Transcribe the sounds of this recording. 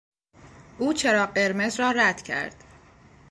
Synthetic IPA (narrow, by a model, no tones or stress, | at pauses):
ʔuːt͡ʃʰe̞ɾɒːɢe̞ɾme̞zɾɒːɾæd̪̥cʰæ̰ɾd̪̥